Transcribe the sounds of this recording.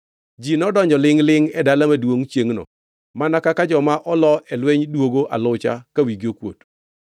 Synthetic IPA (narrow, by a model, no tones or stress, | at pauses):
d͡ʒinɔdɔɲd͡ʒɔlɪŋlɪŋɛdalamadwoŋt͡ʃjeŋnɔ̰ | manakakad͡ʒɔmaʔɔlɔɛlweɲdwoɡoʔalʊt͡ʃa̰kawiɡiokwo̰t